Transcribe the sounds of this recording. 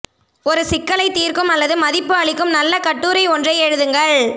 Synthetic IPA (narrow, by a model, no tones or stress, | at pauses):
ɔɾɯsɪkːɐɭɐɪt̪iːrkɯmɐlːɐðɯmɐðɪpːɯɐɭɪkːɯmnɐlːɐkɐʈːuːɾɐɪɔndrɐɛɻɯðɯŋɡɐɭ